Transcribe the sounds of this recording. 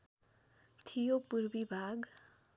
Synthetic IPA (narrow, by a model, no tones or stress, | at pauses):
t̪ʰijopurbibʱaɡ